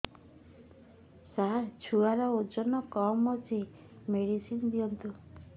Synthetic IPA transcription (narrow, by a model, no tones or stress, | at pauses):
saɦat͡ʃʰuaɾɔod͡ʒɔnɔkɔmɔt͡ʃi | meɽisind̪iɔnt̪u